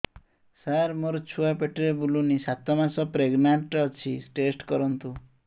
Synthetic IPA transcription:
saɾmoɾɔt͡ʃʰuapeʈeɾebulunisat̪ɔmasɔpɾeɡnaɳʈɔt͡ʃʰiʈesʈkɔɾɔnt̪u

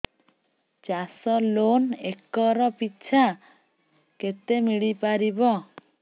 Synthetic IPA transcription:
t͡ʃasɔlonekɔɾɔpitːt͡ʃʰa | ket̪emiɽipaɾibɔ

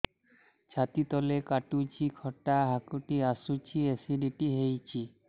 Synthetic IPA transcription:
t͡ɕʰat̪it̪ɔlekaʈut͡ɕikʰɔʈaɦakuʈiasut͡ɕiesiɖiʈiɦejt͡ɕʰi

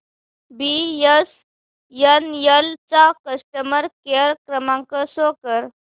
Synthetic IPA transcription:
bijəs | jənjəlt͡sakəsʈəməɾkeɾkɾəmãŋkəsokəɾ

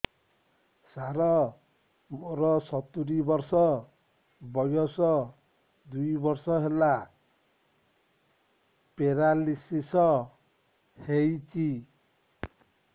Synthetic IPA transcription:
saɾɔ | moɾɔsɔt̪uɾibɔɾsɔ | bɔjɔsɔ | d̪ujbɔɾsɔɦela | peɾalisisɔ | hejt͡ʃʰi

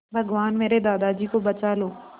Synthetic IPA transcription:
bʱɐɡʋaːnmeːɾed̪aːd̪ad͡ʒiːkobɐt͡ʃaːloː

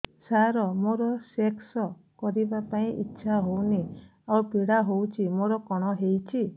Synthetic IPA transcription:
saɾɔmoɾɔseksɔkɔɾibapaĩʔitːʃʰaɦowni | awpiɽaɦowt͡ʃʰimoɾɔkɔɽ̃ɔɦejt͡ʃʰi

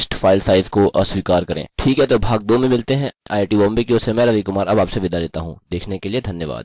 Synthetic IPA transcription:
sʈfaːɪlsaːɪzkoʔɐswiːkaːɾkɐɾḛ̃ːʈʰiːkɦɛt̪obʱaːɡ̚d̪oːmẽmɪlt̪eɦɛ̃a̰ːʈiːʋɔːmbikiosemɛ̃ːɾɐʋikʊmaːɾɐbaːpseʋɪd̪aleːt̪aɦũd̪eːkʰnekelied̪ʱɐnjəʋa̰ːd̪̥

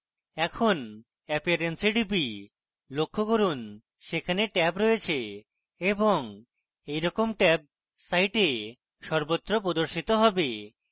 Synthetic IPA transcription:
ɛkʰon | ɛpiaɾensiɖipi | lokʰːokoɾun | ʃekʰaneʈɛpɾoet͡ɕʰe | eboŋ | ejɾɔkomʈɛp̚ | sajʈe | ʃɔɾbot̪ːɾopɾod̪oɾʃit̪oɦɔbe

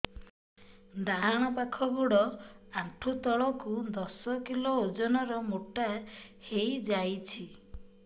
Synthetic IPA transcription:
d̪aɦaɽ̃ɔpakʰɔbuɽɔaʈʰut̪ɔɭɔkud̪ɔsɔkilood͡ʒɔnɔɾɔmuʈahejd͡ʒajt͡ʃʰi

